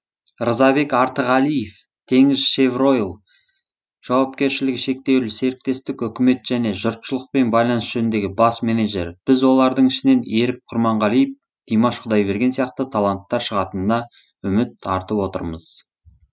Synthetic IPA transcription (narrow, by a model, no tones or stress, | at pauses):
ɾəzɑbe̞kɑɾt̪əʁɑlˠijef | t̪ʰe̞ŋɪzʃevro̞jlˠ | ʒ̥ɑwɑp̚kʲe̞ɾʃɪlɪkʲʃe̞k̚t̪e̞wlɪse̞ɾɪk̚t̪e̞st̪ɪkʏkʲɪme̞t̪ʒ̥æne̞ʒʊɾt̪ʃəlˠəq̚pe̞nbɑjlˠɑnəsʒ̥enɪnd̪e̞ɡʲɪbɑsmeneʒe̞ɾb̥ɪzwo̞lˠɑɾd̪əɴɪʃɪne̞ne̞ɾɪp̚qʰʊɾmɑɴʁɑlˠijɪp̚ | d̪̥ijmɑʃqʰʊd̪ɑjbe̞ɾɡʲe̞nsijɑq̚t̪ət̪ʰɑlˠant̪ːɑɾʃəʁɑt̪ənnɑ | ʏmɪt̪ɑɾt̪əpwo̞t̪ə̰ɾməz̥